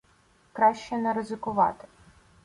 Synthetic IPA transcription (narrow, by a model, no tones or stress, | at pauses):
kɾɑʃt͡ʃɛnɛɾɪzɪkʊʋɑ̰t̪ɪ̥